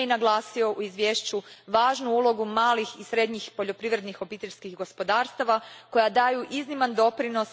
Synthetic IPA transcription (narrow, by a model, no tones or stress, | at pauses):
inaɡlˠaːsio̞ʔuizʋʲjeːʃt͡ɕuʋaːʒnuulˠo̞ɡumaːlixisɾe̞d̪ɲixpo̞ʎo̞pɾiʋɾe̞d̪nixo̞piːt̪eʎʲskixɡo̞spo̞d̪aːɾst̪aʋako̞jad̪aːjuʔiznimand̪o̞pɾino̞s